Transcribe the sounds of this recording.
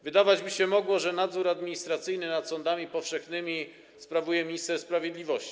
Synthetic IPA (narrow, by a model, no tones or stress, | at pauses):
vɘd̪avad͡ʑmiɕɛmɔɡwɔʐɛnad̪zuɾad̪mʲiɲist̪ɾat̪sɘjnɘnat̪sɔnd̪amʲipɔfʂɛxnɘmʲi | spɾavujɛmʲiɲist̪ɛɾspɾavʲjed̪lʲivɔɕt͡ɕi̥